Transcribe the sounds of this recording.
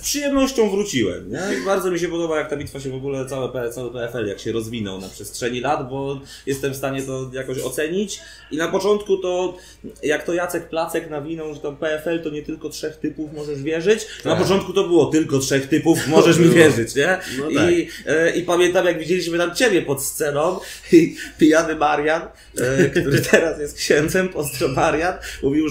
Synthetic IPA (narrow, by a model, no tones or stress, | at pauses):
spʂɨjɛmnɔɕt͡ɕɔ̃w̃vɾut͡ɕiwɛ̰mɲɛbaɾzɔmʲiɕ̬ɛpɔd̪ɔbajak̚t̪abʲit̪faɕɛvɔɡulɛt̪awɛpɛt̪sawɘpɛɛfɛljakɕɛɾɔzvʲinɔ̰wnapʂɛstʂɛɲilad̪bɔ | jɛst̪ɛmfst̪aɲɛt̪ɔjakɔɕɔ̰t̪sɛɲit͡ɕ | inapɔt͡ʂɔnt̪kut̪ɔ | jakt̪ɔjat̪sɛkplat̪sɛknavʲinɔwʐɛt̪ampɛɛfɛlt̪ɔɲɛt̪ɘlkɔtʂɛxt̪ɘpufmɔʐɛʐvʲjɛʐɘt͡ɕnapɔt͡ʂɔnt̪̚kut̪ɔbɘwɔt̪ɘlkɔtʂɛxt̪ɘpufmɔʐɛʂmʲivʲjɛʐɘt͡ɕɲɛi | ipamʲjɛnt̪amjaɡvʲid͡ʑelʲiɕmɘt̪amt͡ɕebʲjɛpɔt̪st̪sɛnɔm | ipʲijanɘmaɾjan | kt̪uɾɘt̪ʰɛɾasjɛst̪̚kɕɛnd̪zɛmpɔst̪ɾɔmaɾjanmuvʲiw